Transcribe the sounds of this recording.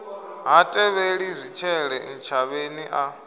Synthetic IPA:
ɦatʼɛβeɺir̤it͡ʃʰɛɺɛn̩t͡ʃʰaβeniʔa

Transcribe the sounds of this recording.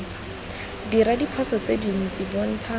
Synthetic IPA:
t͡sa | diɾadipʰɔsɔt͡sedinit͡sibɔn̩ːtʰa

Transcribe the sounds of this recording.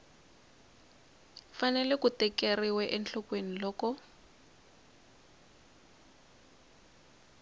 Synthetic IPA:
fanɛlɛkutɛkeriwɛʔɛnɬɔkwenilɔːkɔ

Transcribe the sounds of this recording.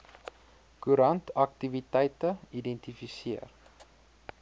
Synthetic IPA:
kuɾɐntɐk̚tivitɛjtəidɛntifisiə̰r

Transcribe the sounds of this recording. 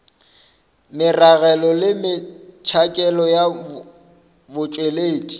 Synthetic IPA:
mɪraɣɛlɔlɪmɪt͡ʃʰakʼɛlɔja | bʊt͡ʃʼweleːtʼi̥

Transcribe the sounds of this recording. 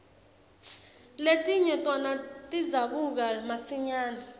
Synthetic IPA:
letʼiɲɛtʼɔnatʼid͡zaɓuk̬amasiɲaːna

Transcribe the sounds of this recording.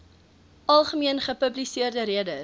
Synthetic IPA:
ɐlˠχəmiənχəpəblisiərdəɾiədə

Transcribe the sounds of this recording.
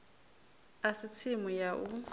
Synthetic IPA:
asɪt͡sʰɪmɔjaʔu

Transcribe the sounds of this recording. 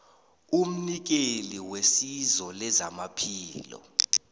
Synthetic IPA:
um̩nik̬eliwesizɔlɛzamapʰiːlɔ̰

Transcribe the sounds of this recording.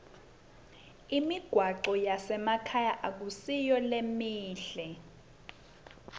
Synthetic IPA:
imiɡ̥ʱwaǃɔjasɛmakʰajaʔak̬usijɔlemiːɬɛ

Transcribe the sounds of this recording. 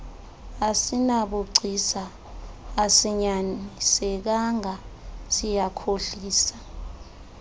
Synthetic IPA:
asinaɓuǀʱisaː | siɲanisɛk̬aŋʱasijakʰoɬiːsḁ

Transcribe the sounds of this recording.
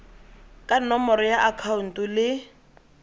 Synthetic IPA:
kʼanɔmɔɾɔjaʔakʰaun̩tʼʊlɪ

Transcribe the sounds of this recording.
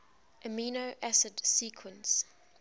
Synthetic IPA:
ʔəmiːnoʔæsɪdsiːkʰwə̃ns

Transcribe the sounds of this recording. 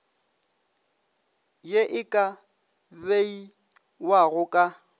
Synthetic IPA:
jeʔɪkʼa | bei | waɣʊkʼa

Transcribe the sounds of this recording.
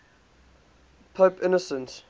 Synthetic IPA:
pʰoːpɪnɔsə̃ns

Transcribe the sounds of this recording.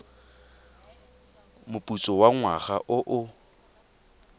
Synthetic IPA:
mʊpʼut͡sʼɔwaŋwaχaʔʊʔʊ

